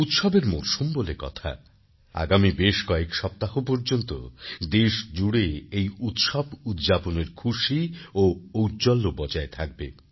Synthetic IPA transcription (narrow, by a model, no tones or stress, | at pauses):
ut̪ʃɔbeɾmo̰ɾʃumbolekɔ̰t̪ʰa̰ | a̰ɡamibeʃkɔekʃɔp̚t̪aɦopoɾd͡ʑont̪o̰d̪eʃd͡ʑuɽeejut̪ʃɔbud̪d͡ʑaponeɾkʰuʃioowd͡ʑɔlːobɔd͡ʑaet̪ʰak̚bḛ